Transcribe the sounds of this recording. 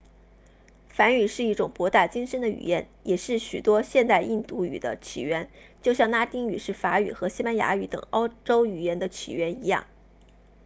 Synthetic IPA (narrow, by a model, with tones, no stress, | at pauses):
fa˧˥ny˨˩ʂɻ̩˥˧i˥˩ʈ͡ʂʊ˨˩ŋpwɔ˧˥t̪a˥˩t͡ɕi˥ŋʂə˧˥nd̪ə˨y̰˨˩jɛ̰˧˥n | jɛ˨˩ʂɻ̩˥˩ɕy˨˩t̪wɔ˥ɕjɛ˥˧nt̪a˥˧ɪʔi˥˧nt̪u˥˩y̰˨˩d̪ə̰˦t͡ɕʰḭ˨˩ɥɛ˧˥nt͡ɕjo˥˧ʊɕjɑ˥˩ŋna˥t̪i˥ŋy˨˩ʂɻ̩˥˩fa˧˥y̰˨˩xɤ˧˥ɕi˥pa˥nja̰˧˥y˧˥t̪ɤ̰˨˩ŋɑ˥ʊʈ͡ʂo˥ʊy˨˩jɛ˧˥nd̪ə˧t͡ɕʰḭ˨˩ɥɛ˧˥ni˧˥jɑ̰˥˩ŋ